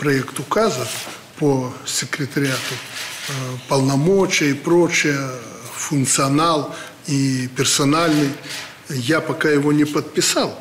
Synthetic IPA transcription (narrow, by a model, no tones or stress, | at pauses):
pɾɐɛkt̪ʊkazə | posʲɪkɾʲɪt̪ɐɾʲɪat̪ʊ | pɐlˠnɐmot͡ɕɪjəipɾot͡ɕɪjə | fʊnkt̪sɨɐnalˠ | ipʲɪrsɐnalʲnɨj | japɐkajɪvonʲɪpət̪̚pʲɪsalˠ